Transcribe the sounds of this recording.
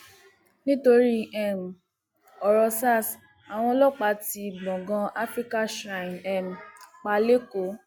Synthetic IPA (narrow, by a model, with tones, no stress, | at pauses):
nĩ˦to˧ɾi˦ɛ˦˨m̩˨ | ɔ˨ɾɔ˧sa˦˨s | a˨w̃ɔ̃˧lɔ˦k͡pa˨˦ti˧bɔ̃˨ɡã˧a˦fɾi˦ka˦ʃɾã˨nɛ˨m̩˨k͡pa˧le˦ko˨˦